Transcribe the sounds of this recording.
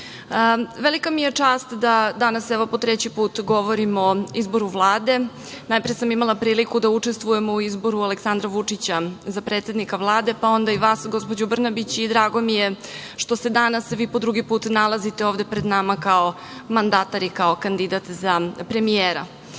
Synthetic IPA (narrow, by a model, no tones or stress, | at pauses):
əʋelikamije̞t͡ʂaːst̪d̪ad̪anasɛʋo̞pot̪ɾet͡ɕipuːt̪ɡo̞ʋoɾimo̞izbo̞ɾuʋlˠaːd̪e̞ | najpɾejesamimalˠapɾiːlikud̪aut͡ʂest̪ʋuje̞mouizbo̞ɾualeksand̪ɾaʋut͡ʂit͡ɕazapɾet̪sʲe̞d̪nikaʋlˠaːd̪e̞pao̞nd̪aiʋaːsɡo̞spod͡ʑubr̩nabit͡ɕid̪ɾaːɡo̞mije̞ʃt̪o̞se̞d̪anasʋiːpo̞d̪ɾuɡipuːt̪nalˠazit̪eoːʋd̪e̞pɾed̪namakao̞ | mand̪at̪aɾikao̞kand̪id̪at̪zapɾe̞mijeːɾa̰